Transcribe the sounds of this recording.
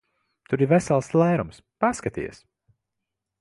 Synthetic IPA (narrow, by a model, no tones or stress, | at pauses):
t̪uɾivɛsɛlˠslˠɛːɾumspaskat̪ḭːɛ̰s